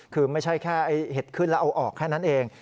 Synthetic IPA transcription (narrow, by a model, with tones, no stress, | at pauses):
kʰɯː˧ma˥˩jt͡ɕʰa˥˩jkʰɛː˥˩ʔa˧jhe˨˩t̪̚kʰɯ˥˩nlɛ˦˥ʔa˧wʔɔː˨˩kʰːɛː˥˩na˦˥˩nʔeː˧ŋ